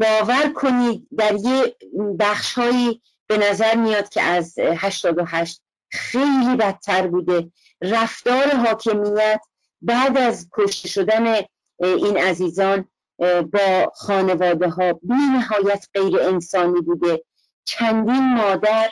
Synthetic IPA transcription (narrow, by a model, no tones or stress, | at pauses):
bɒːvæɾkʰo̞niːd̪̚ːæɾjebæχʃhɒːiː | b̥e̞næzæɾmijɒːd̪̚kʰḛʔæzhæʃt̪ɒːd̪oɦæʃt̪̚ | xe̞jliːbæt̪ʰːæɾbuːd̪e̞ | ræft̪ɒːɾe̞ɦɒːkʰe̞mijæt̪ʰ | bæːd̪æzkʰo̞ʃt̪e̞ʃo̞d̪æne | iːnæziːzɒːn | bɒːxɒːne̞vɒːd̪eɦɒːbiːnæɦɒːjæt̪ʰɢ̥e̞jɾeensɒːniːbuːd̪e̞ | t͡ʃʰænd̪iːnmɒːd̪æɾ